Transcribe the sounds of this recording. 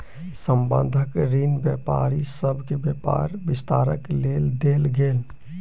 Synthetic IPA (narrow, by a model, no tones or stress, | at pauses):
səmbə̰̃nd̪ʱəkɾinbjɛpa̰ːɾisəbʱkebjɛpa̰ːɾbɪst̪aːɾə̰kleld̪eːlɡeːl